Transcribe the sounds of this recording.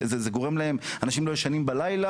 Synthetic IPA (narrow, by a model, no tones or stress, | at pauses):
zezeɡo̞ʁemlae̞m | anaʃimlo̞jeʃanimbalajla